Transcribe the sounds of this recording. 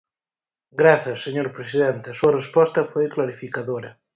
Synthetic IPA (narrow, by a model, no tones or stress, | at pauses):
ɡɾaθjɐsːeɲoɾpɾesiðent̪esuɐrespɔst̪ɐfojklaɾifikaðoɾɐ